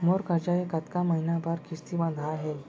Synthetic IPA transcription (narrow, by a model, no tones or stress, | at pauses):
moɾkaɾd͡ʑajekat̪kaməɦinabaɾkʰist̪ibãnd̪ʱaːɦel